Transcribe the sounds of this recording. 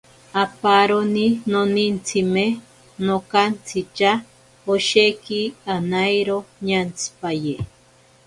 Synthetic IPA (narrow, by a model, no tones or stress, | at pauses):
apaɾoninonint͡sʰime | nokant͡sʰit͡ʃa | oʃekianajɾoɲant͡sʰi̥paje